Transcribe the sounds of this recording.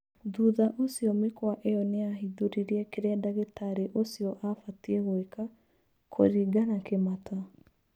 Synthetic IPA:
ðuːðaʔosiɔmekwaʔeɔneaɦiðoɾiɾiɛkeɾɛadaɣetaɾeʔosiɔʔafatiɛɣoeka | kʰo̰ɾiːɡanakemata

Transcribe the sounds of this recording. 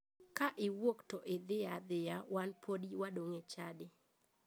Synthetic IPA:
kaʔɪwoktɔʔɪd̪ɪad̪ɪjawanpʰodiwadoŋet͡ʃadɪ

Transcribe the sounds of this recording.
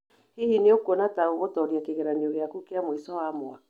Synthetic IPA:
hihineokwonataoɣotɔɾjakeɣeɾaneoɣeakukeamwisɔwamoak

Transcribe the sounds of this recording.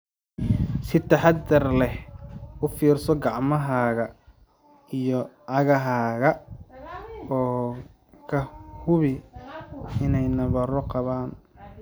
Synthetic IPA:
sɪt̪ʰɐħɑd̪ɐrlɛhʔʊfiːrsɔɡɑʕmɐɦaːɣɐ | ijɔʔɐɣɐɦaːɣɐ | ɔː | kʰɐhʊβɪ | ɪnɛjnɐβɐɾɔqɑβaːn

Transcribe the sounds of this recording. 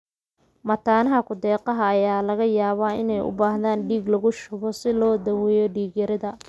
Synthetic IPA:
mɐt̪ʰaːnɐɦɐkʰʊd̪ɛːqɑɦɐːjaːlɐɣɐjaːβaːɪnɛjʔʊ̰baːhðaːnɖiːɡlɐɣʊʃʊβɔsɪlɔːd̪ɐwɛjɔɖiːɡɐɾɐðɐ

